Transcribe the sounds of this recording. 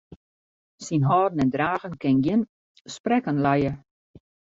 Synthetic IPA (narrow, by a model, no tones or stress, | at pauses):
sinɦɔːdnɛndraːɣənkɪnɡjɪn | sprɛkənlɛjə